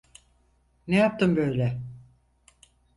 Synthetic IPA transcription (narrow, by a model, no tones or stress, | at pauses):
nejap̚t̪ɯmbøjlʲɛ